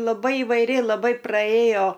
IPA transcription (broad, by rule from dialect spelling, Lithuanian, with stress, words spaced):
lˠɐˈbɐɪ ɪʋɐɪˈrʲɪ lˠɐˈbɐɪ prɐˈeːjoː